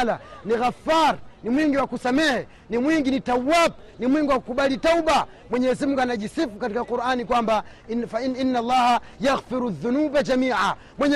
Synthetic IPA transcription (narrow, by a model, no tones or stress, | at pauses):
laniɣafaɾnimwiŋɡiwakusamɛhɛ | nimwiŋɡinitawwab̚ | nimwiŋɡuwaku̥kuɓalitauɓa | mwɛɲɛzimuŋɡanaʄisifukatikakuɾʔanikwamba | fainːalːaːhajaɣfiɾuðːunuːbad͡ʒamiːʕa | mwɛɲɛ